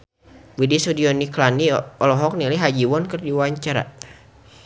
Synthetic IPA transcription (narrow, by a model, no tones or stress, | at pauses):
widisudiɔniklaniɔlɔɦɔk̚niliɦad͡ʒiwɔnkɨrdiwaɲt͡ʃaɾa̰